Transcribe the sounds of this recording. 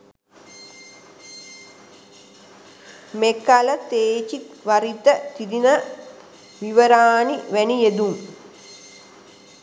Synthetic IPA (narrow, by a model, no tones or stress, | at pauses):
mekalət̪eːt͡ʃiʋaɾit̪ət̪id̪inə | ʋiʋəɾaːniʋænijed̪uŋ